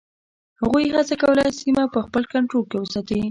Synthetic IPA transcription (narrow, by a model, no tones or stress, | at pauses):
haɣujɦat͡sakawəlajsimapəxpəlkaɳʈɾolkewəsat̪awi